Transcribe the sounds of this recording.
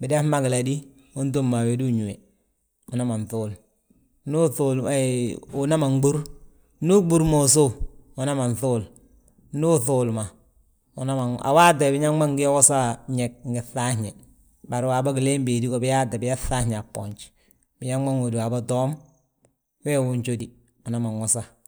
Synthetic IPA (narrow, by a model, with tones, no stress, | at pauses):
bi˨de˦fma˦ɡi˨la˨di˦ | u˦nt̬o˦mːa˨we˨di˦u˨ɲu˨e˨ | u˨na˦ma˨nθu˦l | nu˦θu˨l | u˨na˦ma˨ŋɡ͡bu˦ɾ | nu˦ɡ͡bu˦ɾmo˨so˦u˨na˦ma˨n˨θu˦l | nu˦θu˨lma˨ | u˨na˦ma˨a̰˨wa˦de˨bi˦ɲa˦ŋba˦ŋɡi˦jwo˦sa˦ɲe˨k̚ŋ˨ɡi˨θa˦hɲe˨ | ba˨ɾi˨waː˨ba˦ɡi˨le˦mbeː˨di˦ko˨bi˦ja˦da˨bi˦ja˦θa˦hɲ˨a˨pːo̰˨ɲt͡ʃ | bi˨ɲa˦ŋa˦ŋo˨diwa˨ba˦do˦m | wɛ˦˨wu˦ɲt͡ʃo˦di˨ | u˨na˦ma˨ŋwu˦sa˦